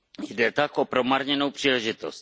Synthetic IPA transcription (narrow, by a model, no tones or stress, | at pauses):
jdɛt̪akʔopɾomaɾɲɛno̞wpr̝̥iːlɛʒɪt̪ost̪